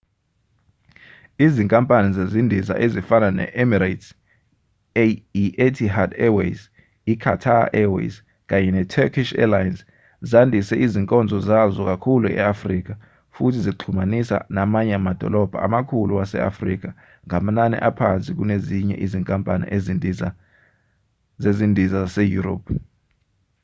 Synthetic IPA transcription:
iziŋkʼampʼanizezindʱiza̰ʔezifananɛ̰ʔɛmiɾat | iʔetʰiɦadɛwḛs | ikʰatʰa̰ʔɛwḛs | k̬ʼaɲɛnɛtʰɛkʰiʃɛ̰lajns | zandʱisɛʔiziŋkʼɔnd͡zʱɔzazɔk̬akʰuluɛ̰afriːk̬a | futʰiziǃʰumanisa̰namaɲɛamad̥ʱɔ̰lɔb̥ʱa̰a̰makʰuluwasɛ̰a̰frik̬a | ŋam̩nanɛ̰ʔapʰant͡sʼik̬uneziɲɛ̰ʔiziŋkʼampʼanḭʔa | zezindʱizasɛjuro̰ːp̚ʰ

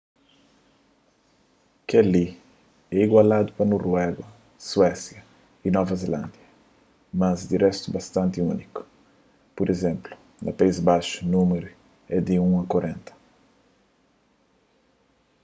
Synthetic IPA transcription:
kɛli | ɛiɡwalad̪upɐnorwɛɡɐ | swɛsjɐ | inɔvɐzelã̰nd̪jɐ | mɐzd̪irɛst̪ubɐst̪ãnt̪iuniku̥ | poɾezẽmplu̥ | nɐ̰paizbaʃu̥nũmeɾu | ɛd̪iũɐkoɾẽnt̪ɐ̥

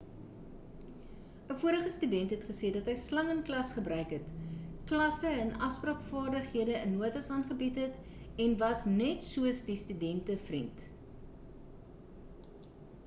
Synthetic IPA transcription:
əfuəɾəχəstydɛntɦɛtχəseːdɐtɦəjslɐŋənklɐsχəbrœɥkɦətklɐsəɛnʔɐfsprɑːkfɑːrdəχɦiədəənːuətɐsɑːnχəbitɦət | ɛnvɐsnɛtsuəsdistydɛntəfrint

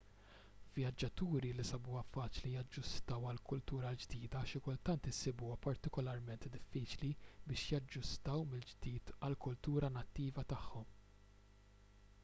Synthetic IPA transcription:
vjɐd͡ʒːɐt̪uːɾilisɐbuːɐfɐːt͡ʃlijɐd͡ʒːʊst̪ɐwɐlkʊlt̪uːɾɐld͡ʒd̪iːd̪ɐʃɪkʊlt̪ɐnt̪ɪsɪbuːɐpɐɾt̪ɪkɔlɐɾmɛnt̪d̪ɪfːiːt͡ʃlibɪːʃjɐd͡ʒːʊst̪ɐwmɪld͡ʒd̪iːt̪ɐlkʊlt̪uːɾɐnɐt̪ːiːvɐt̪ɐħːɔm

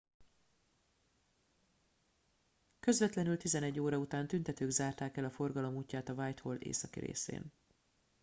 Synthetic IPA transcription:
kø̞zvɛt̪lɛnylt̪izɛnɛɟːoːɾɒut̪aːnt̪ynt̪ɛt̪øːɡzaːrt̪aːkɛlɒfo̞rɡɒlo̞muːcːaːt̪ɒvaːjt̪holḛːsɒkḭɾḛːsḛːn

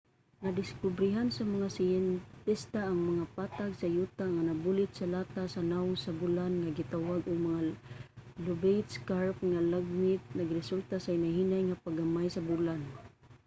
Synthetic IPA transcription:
nad̪ɪskʊbɾɪɦansamaŋasɪjɛnt̪ɪst̪aʔːŋmaŋapat̪aɡsajut̪aŋanabulɪt̪salat̪asanaʊsabulanŋaɡɪt̪awaɡʊɡ̚maŋa | lʊbejt̪skaɹpŋalaɡ̚mɪt̪̚naɡɾɪsult̪asaɪnaɦinajŋapaɡamajsabulan

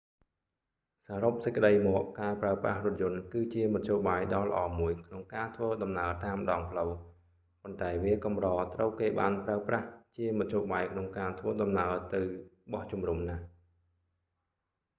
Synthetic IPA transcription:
saːɾop̚səc̚kːəɗəjmɔːʔkːaːpraəprahrʊ̆ət̪̚jʊ̆ənkɨːt͡ɕiəmɑt̪̚ʰɕoːɓaːjɗɑːlə̰̆ʔɑːmuəjkʰnoŋkaːt̪ʰʋəːɗɑmnaət̪aːmɗɑːŋpʰləw | pont̪aɛʋiəkɑmrɑːt̪rəwkeːɓa̰ːnpraəpraht͡ɕiəmɑt̪ʰjoːɓaːjkʰnoŋkaːt̪ʰʋəːɗɑmnaət̪ɨwɓɑht͡ɕumrumnah

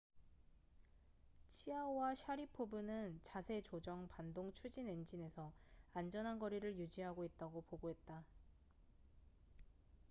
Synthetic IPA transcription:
t͡ɕʰiaowaɕʰaɾipʰobunɯnt͡ɕasʰe̞t͡ɕod͡ʑʌŋpandoŋt͡ɕʰud͡ʑine̞nd͡ʑine̞sʰʌand͡ʑʌnɦanɡʌɾiɾɯɭjud͡ʑiɦaɡoit̚t͈aɡopoɡoɦe̞t̚t͈a

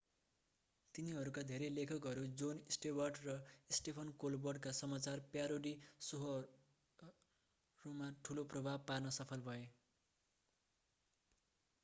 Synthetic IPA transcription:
t̪iniɦʌɾukad̪ʱeɾelekʰʌkɦʌɾud͡zonisʈebʌrɖrʌisʈepʰʌnkolbʌrɖkasʌmat͡sarpjaɾoɽisoɦo | rumaʈʰuloprʌbʱab̚parnʌsʌpʰʌlbʱʌe

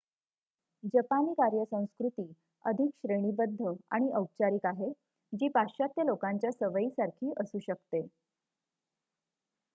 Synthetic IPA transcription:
d͡ʑəpaniːkaɾjəsə̃w̃skɾut̪iː | əd̪ʱikɕɾeɽ̃iːbəd̪ʱːəa̰ɽ̃iʔəw̚t͡ɕaɾikaɦe | d͡ʑiːpaɕat̪jəlokaɲt͡ɕjasəʋəiːsaɾkʰiːʔəsuːɕəkt̪e

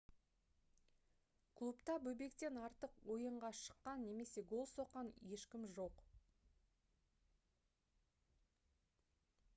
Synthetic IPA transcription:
kʰlˠupt̪ɑbɵbe̞kt̪e̞nɑɾt̪əqwo̞jəɴʁɑʃə̥qːɑnːe̞me̞se̞ɡo̞lˠso̞qːɑnje̞ʃkʲɪmʒo̞q

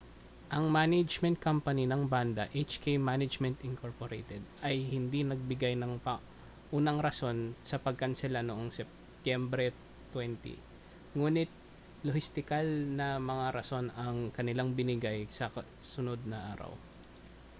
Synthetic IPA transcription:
ʔɐŋmanɐd͡ʒmɛ̃nt̪̚kampɐninɐŋband̪ɐʔejt͡ʃkejmanɐd͡ʒmɛnt̪ɪŋko̞ɹpoɾḛjt̪ɛd̪̚ʔɐjhɪnd̪inɐɡ̚bɪɡajnɐŋpɐ | ʔuːnɐŋɾɐso̞nsɐpɐɡ̚kɐnsɪlanoʔoŋsɛp̚ | t̪jɛmbɾɛ | t̪wɛnt̪ḭ | ŋuːnɪt̪̚ | lohɪst̪ɪkalnɐmɐŋaɾɐso̞nɐŋkɐnɪlaŋbɪnɪɡajsɐ | sʊno̞d̪̚nɐʔa̰ːɾɐ̰w

